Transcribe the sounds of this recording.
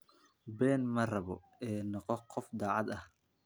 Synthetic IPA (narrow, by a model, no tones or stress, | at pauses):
bɛːnmɐrɐβɔ̰ | ɛːnɑqɔqʰɔfd̪ɑːʕɑd̪ɐh